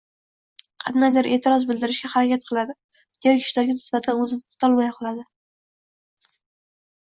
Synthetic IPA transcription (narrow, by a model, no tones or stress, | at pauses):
qʰɑnajd̪aɾʔe̞ːt̪ʰɪɾɒzbɪld̪ɪɾɪʃɡʲahaɾakʲat̪̚qʰɨlˠad̪ɪ | d̪̥eɾkʲʰɪ̥ʃlaɾɡʲanɪsbat̪ʰanɵzɪnʊ̥t̪ʰɒlˠmajqʰɒlˠad̪ɪ